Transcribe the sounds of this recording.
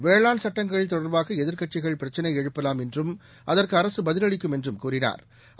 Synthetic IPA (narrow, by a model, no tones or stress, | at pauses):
ʋeːɭaːnsɐʈːɐŋɡɐɭɪlt̪ɔɽɐɾbaːɣɐɛðɪɾkɐʈ̚t͡ʃɪɣɐɭpɪɾɐt͡ʃːɐnɐɪɛɻɯpːɐlaːmɛndrɯm | ʔɐðɐrkɯɐɾɐsɯbɐðɪlɐɽɪkːɯmɛndrɯmkuːrɪna̰ːɾ